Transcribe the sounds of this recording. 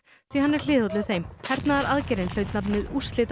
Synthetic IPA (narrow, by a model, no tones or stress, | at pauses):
θvihanːɛɾ̥l̥ɪːðhowt̪lɪθejmhɛɾt̪naðaɾaðcɛɾɪnl̥œːɥt̪napnɪðust̪lɪːt̪